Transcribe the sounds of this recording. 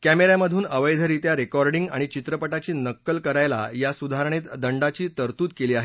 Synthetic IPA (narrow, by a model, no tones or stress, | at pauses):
kæmeɾaməd̪ʱuːnəʋəjd̪ʱəɾit̪jaɾekɔɾɖiŋɡa̰ɽ̃it͡ɕit̪ɾəpəʈat͡ɕiːnəkːəlkəɾajla̰jasud̪ʱaɾəɳ̃et̪d̪əɳɖat͡ɕiːt̪əɾt̪uːt̪keliːaɦe